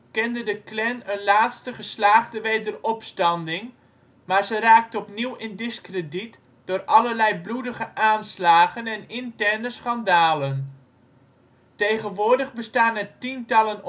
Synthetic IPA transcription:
kɛndədəklɛnənlaːtstəχəslaːχdəʋejdərɔpstɑndɪŋ | maːɹzəraːk̚təɔpniwɪndɪskrədit | d̥ʊːrɑləɹlɛjbludəχəʔaːnslaːχənɛnɪntɛrnəsχɑndaːlən | tejχənʋʊːɹdəχbəstaːnɛtintɑlən

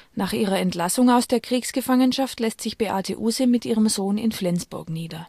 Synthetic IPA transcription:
naːχʔiːʁɐɛntlasʊŋaʊsd̥eːɐkʁ̥iːksɡ̥əfaŋənʃaftlɛstz̥ɪçb̥eːʔaːtʰəʔuːzəmɪtʔiːʁəmzoːnɪ̰nflɛnt͡sb̥ʊɐkniːdɐ

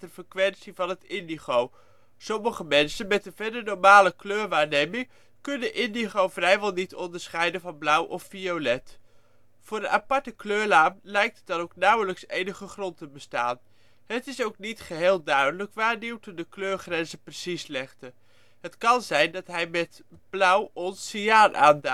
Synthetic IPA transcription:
təfəkʋɛntsivɑnɦətɪndiχow | sɔməχəmɛnsənmɛtənvɛɹdənɔɹmaːləkløːɹʋaːɹnejmɪŋ | kɵnəʔɪndiχowvrɛjʋɛlˠnitɔndəɹsχɛjdənvɑnblʌwʔɔffiowlɛt | v̥ʊːɹdəʔapɑɹtəkløːɹlaːmlɛjk̚tətdɑnowknʌwələksejnəχəχrɔntəbəsta̰ːn | ɦətɪsowknitχəɦeːlˠdœɥdələkʋaːɹniwtədəkløːɹχrɛnzəprəsislɛχdə | ɦətkɑnzɛjndɑtɦɛjmɛt | b̥lʌwʔɔnsiaːnʔaːnda

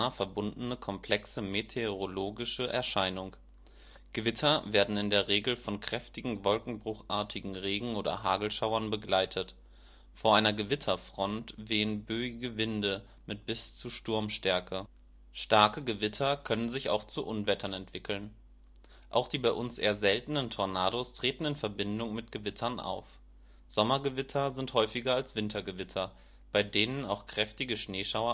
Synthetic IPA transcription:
ɐfɛɐbʊndn̩əkʰɔmpʰl̥ɛksəmetʰeʁoloːɡɪʃəʔɛ̰ɐʃaɪnʊŋ | ɡ̥əvɪtʰɐveːɐdn̩ɪndeːɐʁeːɡl̩fɔnkʁ̥ɛftɪɡŋ̩vɔlkŋ̩bʁʊχʔaːɐtʰɪɡŋ̩ʁeːɡŋ̩oːdɐ̰ɦaːɡl̩ʃaʊɐnbəɡlaɪtʰət | foːɐʔaɪnɐɡəvɪtʰɐfʁ̥ɔntveːənbøːɪɡəvɪndə | mɪt̚b̥ɪst͡suʃtʊɐmʃtɛɐkʰə | ʃtaɐkəɡəvɪtʰɐkʰœnənzɪça̰ʊxt͡suʔʊnvɛtʰɐnɛntv̥ɪkl̩n | ʔa̰ʊxd̥iːbaɪʔʊnsʔḛːɐzɛltn̩əntʰɔɐnaːdostʁ̥eːtn̩ɪnfɛɐbɪndʊŋmɪtɡ̥əvɪtʰɐnʔa̰ʊf | z̥ɔmɐɡəvɪtʰɐzɪnthɔʏfɪɡɐalsv̥ɪntʰɐɡəvɪtʰɐ | b̥aɪdeːnənaʊxkʁ̥ɛftɪɡəʃneːʃaʊɐ

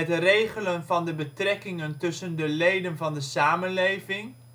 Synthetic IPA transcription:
ɛtərejχələnvɑndəbətrɛkɪŋəntɵsəndəlejdənvɑndəsaːmənlejvɪŋ

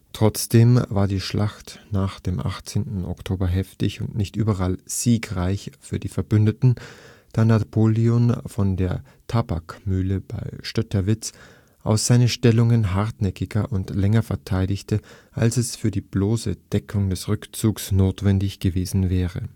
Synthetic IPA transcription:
tʁ̥ɔt͡sd̥eːmvaːɐdiːʃlʔaχtnaːχd̥eːmʔa̰χt͡seːntn̩ɔ̰ktʰoːbɐɦɛftɪçʊntnɪçtʔyːbɐʁalz̥iːkʁaɪçfyːɐdiːfɛɐbʏndətn̩d̥aːnapʰoːlionfɔndeːɐ | tʰabakmyːləb̥aɪʃtœtɐvɪt͡s | ʔa̰ʊsz̥aɪnəʃtɛlʊŋənɦaɐtnɛkɪɡɐʔʊntlɛŋɐfɛɐtʰaɪdɪçtʰəʔa̰lsɛsfyːɐdiːb̥loːsə̰d̥ɛkʰʊŋdɛsʁʏkt͡suːksnoːtv̥ɛndɪçɡ̥əveːzn̩vɛːʁə

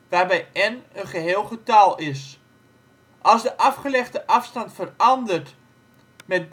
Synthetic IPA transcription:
ʋaːrbɛjɛnənχəɦeːlˠχətalˠɪs | ʔɑlˠsdəʔɑfχəlɛχtəʔɑfstɑntfərɑndərt | mɛt̚b

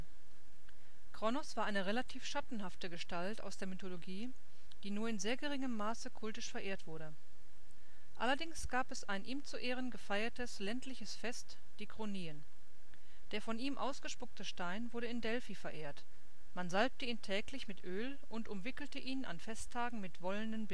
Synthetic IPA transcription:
kʁ̥ɔnɔsv̥aːɐʔaɪnəʁelatʰiːfʃatn̩haftəɡəʃtalta̰ʊsd̥eːɐmytoloɡiː | d̥iːnuːɐɪnzeːɐɡəʁɪŋəmːaːsəkʰʊltɪʃfɛɐʔeːɐtv̥ʊɐɾə | ʔa̰lɐdɪŋsɡ̥aːpɛsʔaɪnʔiːmt͡suʔeːʁənɡəfaɪɐtəslɛntlɪçəsfɛst | d̥iːkʁ̥oniːən | d̥eːɐfɔniːmʔa̰ʊsɡ̥əʃpʊktəʃtaɪnvʊɐɾəɪndɛlfiːfɛɐʔeːɐt | manzalp̚təiːntʰɛːklɪçmɪtʔøːl | ʔʊntʊmvɪkl̩təʔiːnʔa̰nfɛstʰːaːɡŋ̩mɪtv̥ɔləndənbɪ

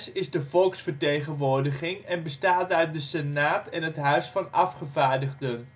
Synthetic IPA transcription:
sɪzdəvɔlˠksfəɹtejχənʋoːɹdəχɪŋɛnbəstaːtœɥt̚dəsɛnaːtɛnɦətɦœɥsfɑnɑfχəvaːɹdəχdən

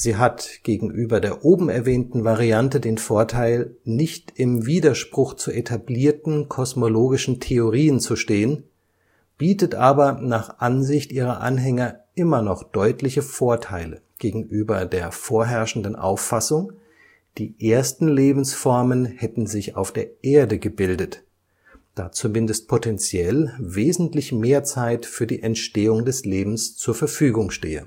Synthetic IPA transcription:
z̥iːɦatɡ̥eːɡŋ̩ʔyːbɐdeːɐʔoːbm̩ɛɐvɛːntn̩vaʁiantədeːnfoːɐtʰaɪlnɪçtɪmviːdɐʃpʁ̥ʊxt͡suʔetʰabliːɐtn̩kʰɔsmoloːɡɪʃn̩tʰeoʁiːənt͡suʃteːən | b̥iːtətʔaːbɐnaːχʔanzɪçtʔiːʁɐ̰ʔa̰nɦɛŋɐʔɪmɐnɔχd̥ɔʏtʰlɪçəfoːɐtʰaɪlə̰ɡ̥eːɡŋ̩ʔyːbɐ̰deːɐfoːɐɦɛɐʃn̩dnʔa̰ʊfːasʊŋ | d̥iːʔeːɐstn̩leːbm̩sfɔɐmənhɛtn̩zɪça̰ʊfd̥eːɐʔeːɐdəɡəbɪldət | d̥a̰ːt͡sumɪndəst̚pʰotʰɛnt͡sjɛlveːzn̩tlɪçmeːɐt͡saɪtfyːɐdḭːʔɛntʃteːʊŋdɛsleːbm̩st͡suːɐfɛɐfyːɡʊŋʃteːə̰

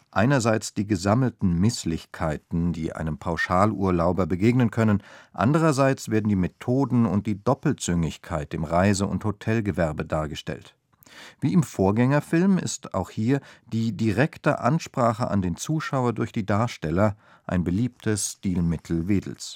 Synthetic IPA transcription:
ʔaɪnɐzaɪt͡sd̥iːɡəzaml̩tn̩mɪslɪçkʰaɪtn̩diːʔa̰ɪnəmpʰaʊʃaːlʔuːɐlaʊbɐbəɡeːɡnənkʰœnənʔa̰ndəʁ̞ɐzaɪt͡sv̥eːɐdn̩diːmetʰoːdn̩ʊnt̚d̥iːdɔpl̩t͡sʏŋɪçkʰaɪtɪmʁaɪzəʊ̰nthotʰɛlɡəvɛɐbədaːɐɡəʃtɛ̰lt | viːɪmfoːɐɡɛŋɐfɪlmɪ̰sta̰ʊxhiːɐd̥iːdiʁɛktə̰ʔa̰nʃpʁ̥aːχə̰ʔa̰ndeːnt͡suːʃaʊɐdʊɐçd̥iːdaɐʃtɛlɐ | ʔa̰ɪnbəliːp̚tʰəsʃtiːlmɪtʰl̩veːdl̩s

